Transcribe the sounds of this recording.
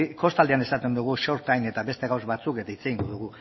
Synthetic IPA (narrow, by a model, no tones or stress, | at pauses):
ko̞st̪ald̪eane̞sat̪e̞nd̪uɣ̞uʃo̞ɾt̪ajne̞t̪aβe̞st̪e̞ɣawzβat͡suke̞t̪ait͡se̞ɣiŋɡoðuɣu